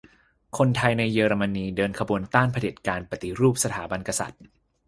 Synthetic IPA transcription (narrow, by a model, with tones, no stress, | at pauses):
kʰo˧nt̪ʰa˧jna˧jːɤː˧ɾa˧ma˧niː˧dɤː˧nkʰa˧buː˧ənt̪aː˥˩npʰa˧de˨˩t̪̚kaː˧npa˨˩t̪i˨ɾuː˥˩p̚sa˧t̪ʰaː˩˦ba˧nka˧sa̰˨˩t̪̚